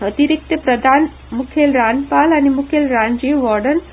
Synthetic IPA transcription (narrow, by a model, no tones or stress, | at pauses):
ət̪iɾik̚t̪əpɾəd̪ʱaːn | mukʰelɾanpalanimukʰelɾaɲd͡ʑiʋʋɔɾɖən